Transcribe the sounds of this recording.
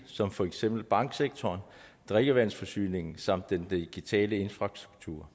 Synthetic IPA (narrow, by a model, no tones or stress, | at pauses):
sɒ̽mfɒ̽eɡ̥sem̰b̥l̩b̥ɑ̈ŋ̰ɡ̥seɡ̥̚t͡sʰɒːnd̥ʁeɡ̥əʋæn̰sfɒ̽sy̰ːne̝ŋn̩sɑ̈m̰d̥ːendiɡ̥it͡sʰɛ̰ːləe̝nfʁɑ̈sd̥ʁuɡ̥̚t͡sʰṵːɐ̰